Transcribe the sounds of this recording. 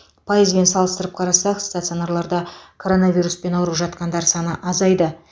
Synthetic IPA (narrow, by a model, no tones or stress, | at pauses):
pʰajizbe̞nsɑlˠəst̪əɾəp̚qʰɑɾɑsɑqst̪at̪sionaɾlˠɑɾd̪ɑkʰo̞ɾo̞navʲijɾuspe̞nɑwɾəpʒɑt̪qɑnd̪ɑɾsɑnəʔɑzɑjd̪ə